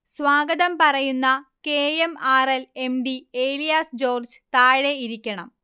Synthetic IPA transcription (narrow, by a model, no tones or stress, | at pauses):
sʋaːɡɐðɐmpɐrɐjunːɐkeːemaːrele̞mɖieːlijaːsd͡ʑo̞ːrd͡ʑɨt̪aːɻeiɾikʲːɐɳɐ̰m